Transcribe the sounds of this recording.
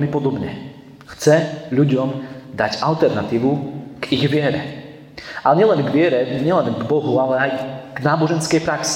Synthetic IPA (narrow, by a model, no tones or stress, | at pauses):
ɛmipɔd̪ɔbɲɛ | xt͡sɛʎuɟɔmd̪aɟalt̪ɛɾnat̪iːʋuɡ̥iɣʋɪɛɾɛ | aɛɲɛlɛnɡʋɪɛɾɛɲɛlɛnɡbɔɦualɛajɡ̥naːbɔʒɛnskɛjpɾaksi̥